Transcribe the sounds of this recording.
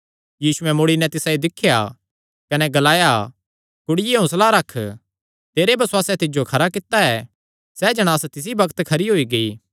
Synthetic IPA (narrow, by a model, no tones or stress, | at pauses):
jiːsʊɛmoːɽinɛt̪ɪsãid̪ɪkʰːja | kɐnɛɡɐlaːja | kʊɽɪjeɦʊ̃slaɾɐkʰː | t̪eːɾebʱɐswaːsɛt̪ɪd͡ʒokʰɐɾakɪt̪aɛ | sɛd͡ʒɐɽ̃aːst̪ɪs̬ibɐkt̪kʰɐɾiɦoːiɡɐiː